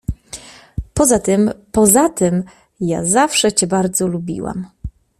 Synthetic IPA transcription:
pɔzat̪ɘmpɔzat̪ɘm | ja̰zafʂɛt͡ɕɛbaɾd̪zɔlubʲḭwa̰m

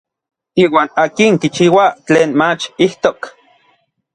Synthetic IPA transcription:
iːwaːnaːkiŋkit͡ʃiːwat͡ɬeːnmat͡ʃiht̪ok

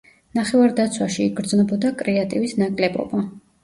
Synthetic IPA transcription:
naχɛvaɾd̪at̪sʰwaʃiːɡɾd̪znɛbɔd̪akʼɾɛat̪ʼivisnakʼlɛbɔ̰ba

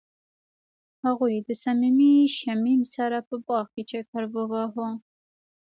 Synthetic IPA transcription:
haɣujd̪əsamimiʃamimsaɾapəbɑʁket͡ʃakaɾbəwaɦo

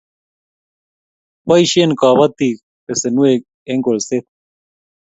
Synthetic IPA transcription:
pɐiɕenkaːβɐt̪ːik | pesenuek̚ | eŋɡolset̪̚

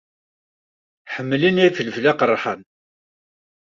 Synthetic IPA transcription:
ħəmːlinæfələflaqərˤːħən

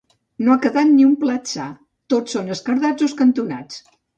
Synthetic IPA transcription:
noakəðat̪niumplatsa | t̪osːonəskəɾðad͡zoskənt̪una̰t͡s

